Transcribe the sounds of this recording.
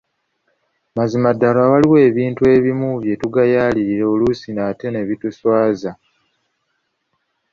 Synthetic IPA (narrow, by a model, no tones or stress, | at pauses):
mazimadːalawaliwe̞ːβiːntue̞βimuβje̞tuɡajaːliɾiɾeolusinate̞ne̞βituswaːza